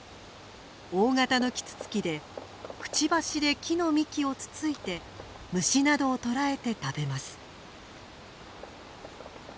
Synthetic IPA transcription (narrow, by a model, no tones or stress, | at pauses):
o̞ːŋat̪ano̞kʲi̥t͡sɨ̥t͡sɨ̥kʲid̪e̞ | kɯ̟̥t͡ɕibaɕid̪e̞kʲino̞mʲikʲio̞t͡sɨ̥t͡sɨit̪e̞ | mɯ̟ɕinad̪o̞ːt̪o̞ɾae̞t̪e̞t̪abe̞masɨ̥